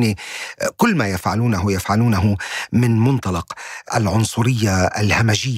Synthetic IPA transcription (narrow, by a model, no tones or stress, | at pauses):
nikʊlːmaːjafʕaluːnaɦʊjafʕaluːnaɦʊmɪnmʊnt̪ˤɑlɑqʔa̰lʕʊnsˤʊɾɪjːa̰lhamaʒɪjː